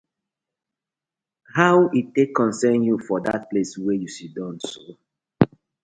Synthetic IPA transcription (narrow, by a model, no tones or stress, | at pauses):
hawitekʰːɔ̃nsɛ̃njufɔdat̚pleswɛjusidɔ̃nso